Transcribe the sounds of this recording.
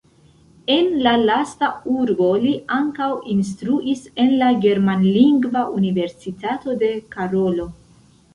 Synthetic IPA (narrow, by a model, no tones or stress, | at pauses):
e̞nlalastauɾbo̞liʔaŋkawinstɾuʔise̞nlaɡe̞ɾmanliŋɡvaʔunive̞ɾsitato̞de̞kaɾo̞lo̞